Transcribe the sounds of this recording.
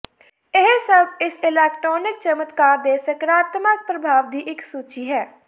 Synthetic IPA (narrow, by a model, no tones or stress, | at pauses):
ɪɦsɐbʱɪsɪlɛːkʈɾɔːnɪk̚t͡ʃəmət̪kad̪eːsəkɾaːt̪mək̚pɾəbʱaːʋd̪iʔɪksuːt͡ʃiɦɛː